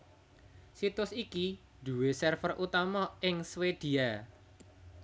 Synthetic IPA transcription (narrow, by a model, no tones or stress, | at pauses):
sit̪ʊsiki | d̪̥ṳwesərfərʔut̪amɔʔɪŋswed̪̥i̤a